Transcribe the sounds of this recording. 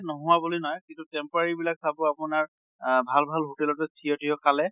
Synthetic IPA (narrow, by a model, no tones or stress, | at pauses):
nɔɦʊwabolojnɔjkintutɛmpɔɹaɹibilaksabʊapʊnaɹ | bʱalbʱalɦotɛlɔtɛtʰijɔtiɔkalɛ